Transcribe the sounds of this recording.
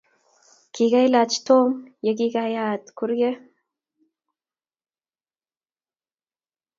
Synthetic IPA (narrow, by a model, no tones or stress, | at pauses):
kiɡajlat͡ʃt̪omjaɡiɡajat̪kuɾɡe